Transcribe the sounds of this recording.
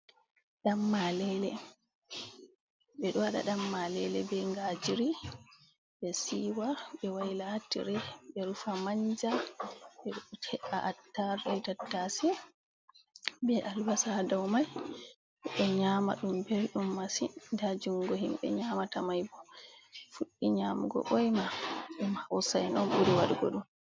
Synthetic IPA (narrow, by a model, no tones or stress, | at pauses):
ɗamːalɛlɛ | ɓɛɗɔwaɗa̰ɗamːalɛlɛ̰bɛŋɡad͡ʒiɾi | ɓɛsiwaɓɛwajlatḭɾɛɓɛɾufamaɲd͡ʒaɓɛɗɔtʰɛʔaʔatːaɾɛjtatːasɛ | bɛʔalwasadawmaj | ɓɛɲama̰ɗumbɛɾɗumːasindad͡ʒuŋɡɔɦimɓɛ̰ɲamatamajbɔfuɗːiɲamṵɡɔ̰ʔɔjmaɗmhawsajnɔnɓuɾiwaɗuɡɔ̰ɗum